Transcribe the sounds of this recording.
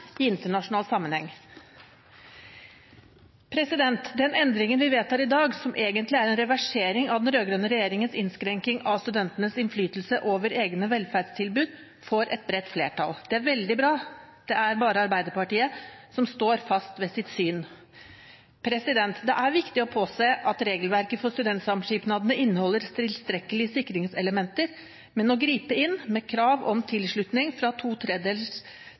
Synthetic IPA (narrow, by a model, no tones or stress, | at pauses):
ɪɪnt̪əɳɑʂʊnɑːlsɑmːənhɛŋː | pʰɾɛsɪd̪ɛnt̪d̪ɛnɛnd̪ɾɪŋənʋɪʋeːt̪hæːɾɪd̪ɑːɡsɔmʔeːɡənt̪lɪæɾɛnɾɛʋæʂeːɾɪŋɑʋd̪ɛnɾøːɡɾœnəɾɛjeːɾɪŋənsɪnskɾɛŋkɪŋɑʋst̪ʉd̪ɛnt̪ənəsɪnflyːt̪l̩səʔoːʋəɾeːɡnəʋɛlfæːɖst̪ʰɪlbʉːd̪ | fɔɾʔɛ̰t̪̚bɾɛt̪ːflḛːʈʰɑ̰ld̪̥ɛæɾʋɛld̪ɪbɾɑːd̪̥ɛæɾbɑːɾəɑɾbæɪd̪əpɑʈiːəsɔmst̪oːɾfɑst̪ʋeːsɪt̪syːn | pʰɾɛsɪd̪ɛnt̪d̪ɛʔæɾʋɪkt̪ɪɔpʰoːseːʔɑt̪ɾeːɡəlʋæɾkəfɔst̪ʉd̪ɛnt̪sɑmʂiːpnɑːd̪ənəʔɪnːəhɔlːəɾt̪ʰɪlst̪ɾɛkːəlɪəsɪkːɾɪŋsɛləmɛnt̪əɾ | mɛnɔɡɾiːpəɪnːmɛkʰɾɑːʋɔmt̪ʰɪlʂɭʉt̪nɪŋfɾɑt̪ʰuːt̪ʰɾɛd̪eːl